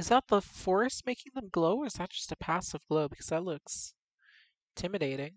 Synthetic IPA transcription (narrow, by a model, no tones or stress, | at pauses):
ɨzðæt̪̚ðəfɔɹɨst̚meɪkɪ̃ŋðə̃mɡloʊə˞zðɨt̚d̥ʒ̥ʌstɨpʰæsʌvɡ̥loʊbɨkʰʌz̥ðɨtˡlʊks | tʰɪ̃mɨɾeɪɾɪ̃ŋ